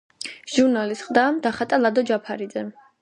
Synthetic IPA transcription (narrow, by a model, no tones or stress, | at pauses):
ʒ̥uɾnalisχd̪amd̪aχat̪ʼalad̪ɔd͡ʒapʰaɾid̪zɛ